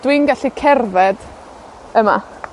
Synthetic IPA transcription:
d̥winɡaɬikʰɛrvɛd̥ | əma̰

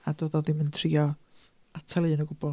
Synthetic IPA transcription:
adoðɔðɪməntʰriːɔ | atʰɛlˠɨːnəɡʊbɔ

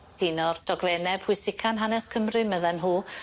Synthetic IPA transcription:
d̥ɪnɔrd̥ɔɡvɛnɛb̥hʊɨsɪkʰanɦanɛskʰəmrɨməðɛnɦuː

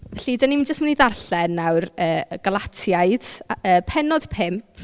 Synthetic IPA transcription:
vɛɬidanimnd͡ʒəstməniðarɬɛnːawrəːɡ̥alˠatʰjaɨd̥əːpʰɛnɔd̥pʰɪmpʰ

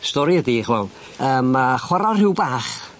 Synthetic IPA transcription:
stɔɾiədiχvɛ̰lˠ | əːmːaχwaɾɔrɪwbaːχ

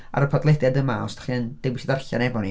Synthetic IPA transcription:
a̰ɾəpʰɔdlˠɛdjadəmaɔsd̥ḁχiənd̥ejwisiðarɬa̰nɛbɔnḭ

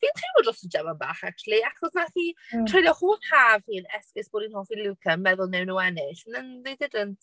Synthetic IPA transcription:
fiːntʰiwʊdlɔsəd͡ʒɛvaba̰ːχak̚t͡ʃulˠiaχɔsnaθiːtʰr̥ejlˠjɔhoːθhaːvhiːnɛskɪsb̥oːdinhɔːlˠθiːlˠukʰənmɛðʊlˠnewnuːɛnɪɬənənðedɪdənt

